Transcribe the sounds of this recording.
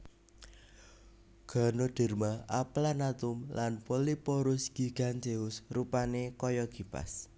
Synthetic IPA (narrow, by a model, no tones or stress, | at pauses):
ɡ̥a̤nod̪̥ɛ̤rmaaplanat̪ʊmlʔanpolipoɾʊsɡ̥i̤ɡ̥a̤nt̪eʊsrupanekɔjɔɡ̥i̤pa̰s